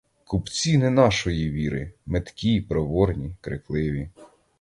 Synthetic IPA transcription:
kupt͡sʲinɛnɑʃɔjiʋʲiɾɪ̰met̪kʲipɾɔʋɔrnʲikɾɪ̰klˠɪʋʲi

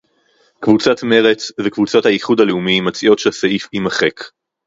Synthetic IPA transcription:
kvut͡sat̪me̞ʁe̞t͡svekvut͡sathaiχudaleumimat͡siʔo̞tʃesaifimaχe̞k

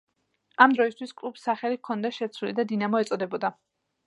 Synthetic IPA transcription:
amd̪ɾɔist̪ʰwiskʼlˠupsːaχɛlikʰɔnd̪aʃɛt̪sʰwulḭd̪ad̪inamɔɛt̪sʼɔd̪ɛbɔd̪a

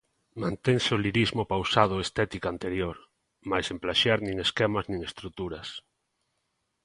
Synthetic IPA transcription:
mãnt̪eŋseʊliɾizmʊpawsað̞ʊest̪ɛt̪ikant̪eɾjoɾ | majsemplaʃaɾnĩŋeskɛmɐznĩŋest̪ɾut̪uɾɐs

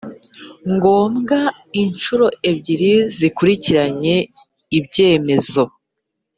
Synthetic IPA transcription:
ŋɡo̞ːmɡa | int͡ʃuɾo̞ebɟiɾizikuɾiciɾaɲe̞ | ibɟe̞ːme̞zo̞

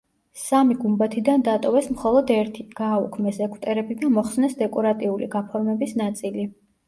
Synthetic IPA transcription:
samiɡumbat̪ʰid̪and̪at̪ʼɔvɛsmχɔlˠɔd̪ɛɾt̪ʰiɡ̥aːukʰmɛsɛkʰʼt̪ʼɛɾɛbid̪amɔχsnɛsd̪ɛkʼɔɾat̪ʼiulḭɡapʰɔɾmɛbisnat̪sʼili

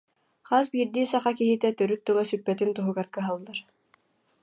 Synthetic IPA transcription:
χasbiːɾd̪iːsaχakiɦit̪ɛt̪œɾyt̪̚ːɯlˠasypːɛt̪int̪uɦuɡaɾkɯɦalˠːaɾ

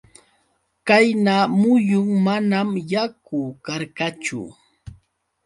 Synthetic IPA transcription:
kajnaːmʊjʊŋmanamjakʊkaɾkat͡ʃʊ̰

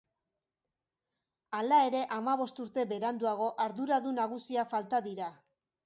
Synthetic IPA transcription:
alae̞ɾe̞ʔamaβ̞o̞st̪uɾt̪e̞be̞ɾand̪uaɣ̞o̞ʔaɾðuɾaðunaɣ̞usiafalt̪aðiɾa

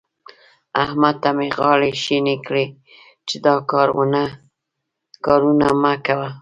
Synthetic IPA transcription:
ahmat̪ameɣɑɽeʃinekɽe | t͡ʃed̪ɑkɑɾw̰na | kɑɾunamakawa

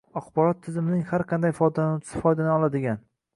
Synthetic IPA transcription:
aqbɒɾɒt̪ʰːɪzɪmɪnɪŋhaɾqʰɑnd̪ajfɒjd̪ansɪ̥fɒjd̪anɪɒlˠad̪ɪɡʲan

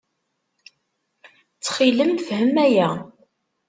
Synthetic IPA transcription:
t͡sːχiləmfhəmːæjæ

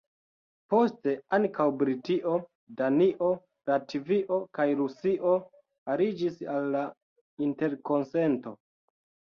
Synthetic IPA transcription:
po̞ste̞aŋkawbɾitiʔo̞ | daniʔo̞ | ɾativiʔo̞kajɾusiʔo̞ | aɾid͡ʒisalːa | inte̞ɾko̞nse̞nto̞

